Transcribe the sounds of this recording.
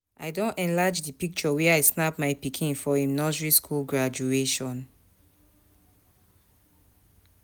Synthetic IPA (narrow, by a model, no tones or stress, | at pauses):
ʔaɪdõnɛ̃nlad͡ʒdipik̚t͡ʃɔwɛaɪsnapmaɪpikʰĩnfɔĩmnɔd͡ʒɹiskʰulɡɹad͡ʒueʃɔ̃n